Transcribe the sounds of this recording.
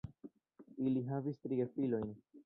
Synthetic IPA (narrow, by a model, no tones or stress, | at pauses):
iliɦavist̪ɾiefilo̞jn